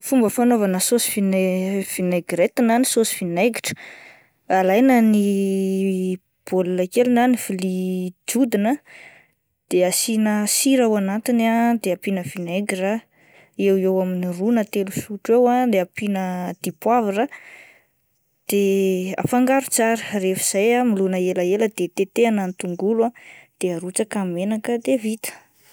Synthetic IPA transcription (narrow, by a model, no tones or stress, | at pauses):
fumbəfanovanəsosi̥finev̥ineɡɾet̪inanisosi̥fineɡiʈ͡ʂə̥ | alajnəni | b̥olulakelunanifilid͡ʒud̪inə | d̪̥easinəsiɾawanat̪inad̪eapinəfineɡɾa | ewewaminirunət̪elusuʈ͡ʂewad̪eapinəd̪̥ipwaviɾa | d̪̥ea̰faŋɡaɾut͡saɾərefiz̥ajamilunəelaeləd̪̥et̪et̪eananit̪uŋɡulad̪̥eaɾut͡sakamenakəd̪evit̪ə̥